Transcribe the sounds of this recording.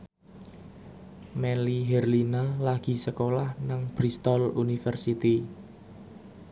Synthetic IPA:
mɛliɦɛrlinalaɡ̥i̤səkolahnaŋb̥ɾist̪ɔlunifɛrsit̪i

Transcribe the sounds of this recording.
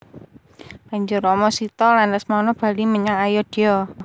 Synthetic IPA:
kaɲd͡ʒʊɾɔmɔsit̪ɔlandasmanɔb̥a̤liməɲaŋajɔd̥ijɔ

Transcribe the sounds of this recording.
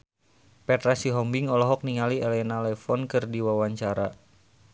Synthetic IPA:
pɛt̪ɾasiɦɔmbiŋɔlɔɦɔk̚niŋaliɛlɛnalɛfɔnkɨrdiwawaɲt͡ʃaɾa

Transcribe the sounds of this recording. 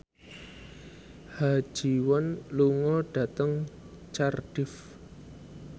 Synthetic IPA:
hḁʒ̥i̤wanluŋɔɖ̥a̤t̪əŋ | t͡ʃarɖ̥ɪf

